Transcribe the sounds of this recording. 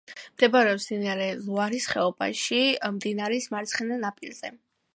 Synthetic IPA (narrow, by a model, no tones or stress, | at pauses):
md̪̥ɛbaɾɛɔpsd̪iniaɾɛlˠuaɾisχɛɔba̰ʃimd̪inaɾɛsmaɾt̪sʰχɛnanapʼilˠz̥ɛ̰